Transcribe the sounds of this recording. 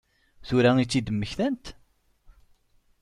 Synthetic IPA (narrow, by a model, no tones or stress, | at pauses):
θʊɾæit͡sːid̪əmːəçθænt̪